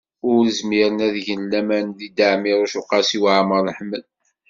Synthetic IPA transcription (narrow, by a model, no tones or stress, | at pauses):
ʊɾəzmiɾənæðʝənlːæmænðid̪aʕmiɾæʃuqːɑsiwʕaməɾˤəħməl